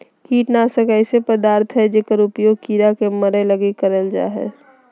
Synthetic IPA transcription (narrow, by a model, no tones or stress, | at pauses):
kiːʈnasəkaɪsepəd̪aːɾt̪ʰɦɛd͡ʒeːkəɾʊpjoːɡ̚kiɾakeməɾələɡekəɾəld͡ʒa̰ːɦɛ̰ː